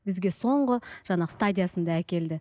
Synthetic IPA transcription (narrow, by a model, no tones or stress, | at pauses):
bɪzɡʲe̞so̞ɴʁəʒ̥ɑnɑʁəst̪adʲijasənd̪ɑækʲe̞ld̪ɪ